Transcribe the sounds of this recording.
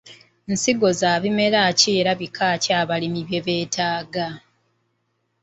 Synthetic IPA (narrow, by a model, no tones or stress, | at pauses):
nsiɡo̞zaːβime̞ɾaːcieɾaβikʰaːciaːβalimiβje̞βe̞ːtʰaːɡa